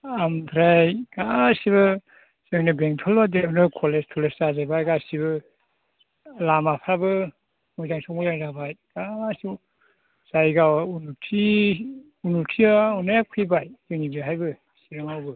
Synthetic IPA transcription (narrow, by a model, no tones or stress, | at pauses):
ampʰɾajɡ̥asiβɯ | sɯŋnɯbeŋtʰɔlbadenɯkʰɔlestʰɔleszazajbajɡasibɯ | lamapʰabɯ | mɔjzaŋsɔmɔjzaŋzabajɡ̥asi | z̥ajɡawaunutʰi | unutʰiaunapʰijbajzɯŋnibiɦajbɯ | siɾaŋawbɯ